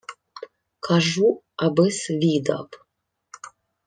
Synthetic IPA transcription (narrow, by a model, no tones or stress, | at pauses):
kʰaʒu | abɨsvid̪a̰pʼ